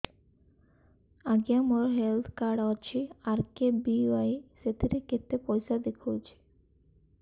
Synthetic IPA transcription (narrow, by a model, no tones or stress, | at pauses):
aɡjamoɾɔɦelt̪ʰkaɾɖɔt͡ʃʰiaɾkebiajset̪ʰiɾeket̪ːepɔjsad̪ekʰot͡ʃʰi̥